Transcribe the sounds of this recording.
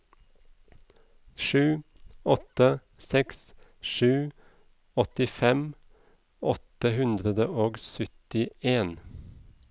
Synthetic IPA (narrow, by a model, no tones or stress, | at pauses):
ʃʉː | ɔt̪ə | sɛks | ʃʉː | ɔt̪ɪfɛm | ɔt̪əhʉnd̪ɾəd̪əʔoːɡsœt̪ɪeːn